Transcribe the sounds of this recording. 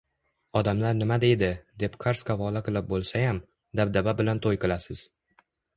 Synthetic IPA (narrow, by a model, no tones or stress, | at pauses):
ɒd̪amlaɾnɪmad̪e̞jd̪ɪd̪e̞pkʰaɾskʰavɒlaqɨlˠɪp̚bolˠsajam | d̪ab̚d̪ababɪlant̪ʰojqɨlˠasɪz̥